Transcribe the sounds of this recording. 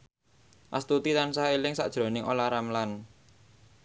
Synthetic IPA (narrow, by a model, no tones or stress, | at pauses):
ʔa̰st̪ut̪it̪ansaɦelɪŋsa̰ʔd̥ʒ̥ɾo̤nɪŋʔolaɾamlan